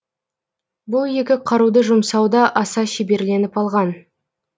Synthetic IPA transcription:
bʊlˠje̞kʲɪqʰɑɾud̪əʒʊmsɑwd̪ɑʔɑsɑʃebe̞ɾle̞nɪpɑlˠʁɑn

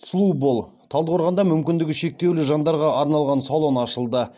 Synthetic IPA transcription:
slˠubolˠ | t̪ʰɑlˠd̪əoɾʁɑnd̪ɑmʏmkʲɪnd̪ɪɡʲɪʃe̞k̚t̪ewlɪʒɑnd̪ɑɾʁɑʔɑɾnɑlˠʁɑnsolˠo̞nɑʃəlˠd̪ə

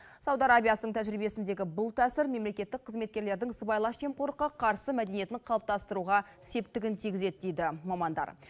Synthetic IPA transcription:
sɑwd̪ɑɾabʲijasənəɴt̪ʰæʒɾijbe̞sɪnd̪e̞ɡʲɪbʊlˠt̪ʰæsɪɾme̞mle̞kʲe̞t̪ːɪk̚qʰəzme̞t̪̚kʲe̞ɾle̞ɾd̪ɪŋsəbɑjlˠɑʃʒe̞mqʰoɾəqːɑqʰɑɾsəmæd̪eije̞t̪ɪɴqʰɑlˠəp̚t̪ɑst̪əɾuʁɑ | se̞p̚t̪ɪɡʲɪnt̪ʰijɡʲɪze̞d̪ɪd̪ejd̪ɪmɑmɑnd̪ɑ̰ɾ

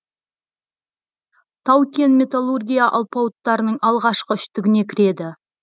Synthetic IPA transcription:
t̪ʰɑwkʲe̞nmʲe̞t̪alˠurɡʲijaʔɑlˠpɑwt̪ːɑɾənəɴʔɑlˠʁɑʃqəʏʃt̪ɪɡʲɪne̞kʲʰɪɾe̞d̪ɪ

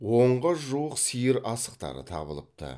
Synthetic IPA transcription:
wo̞ɴʁəʒuwəqsijəɾɑsəq̚t̪ɑ̰ɾə̰t̪ʰɑ̰bəlˠəp̚t̪ə̰

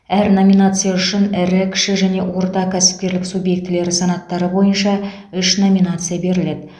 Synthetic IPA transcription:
æɾno̞mʲinat̪sɨjɑʏʃɪnɪɾɪkʲʰɪ̥ʃɪʒæne̞wo̞ɾt̪ɑkʲʰæsɪ̥p̚kʲe̞ɾlɪksubje̞k̚t̪ɪle̞ɾɪsɑnɑt̪ːɑɾəbo̞jənʃɑ | ʏʃno̞mʲinat̪sɨjabe̞ɾɪle̞d̪ɪ

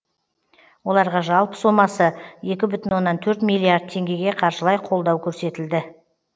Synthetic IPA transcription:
wo̞lˠɑɾʁɑʒɑlˠpə̥somɑsəje̞kʲɪbʏt̪ɪnwo̞nːɑnt̪ʰɵɾt̪milːiaɾd̪̚t̪ʰe̞ŋɡʲe̞ɡʲe̞qʰɑɾʃəlˠɑjqʰo̞lˠd̪ɑwkʲʰɵɾse̞t̪ɪld̪ɪ

